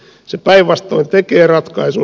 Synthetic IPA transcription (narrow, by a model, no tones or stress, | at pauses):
sepæiʋʋɑst̪oint̪ekeːrɑt̪kɑisu